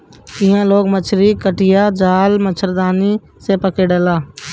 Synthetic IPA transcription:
ɪɦãːloːɡmət͡ʃʰɾiːkəʈʰɪjaːd͡ʒaːlmət͡ʃʰəɾd̪aːniː | seːpəkeːɖəlaː

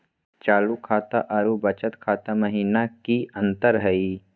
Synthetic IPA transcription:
t͡ʃaːlukʰaːt̪aʔaɾubɐt͡ʃət̪kʰaːt̪amɐɦiːnakiɐ̃nt̪əɾɦɐiː

